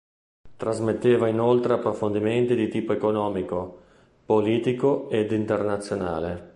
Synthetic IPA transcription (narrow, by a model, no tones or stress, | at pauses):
t̪ɾazmet̪ːeːvainolt̪ɾeapːɾofond̪iment̪id̪it̪iːpoekonɔːmiko | poliːt̪ikoed̪int̪ernat̪sːjona̰ːle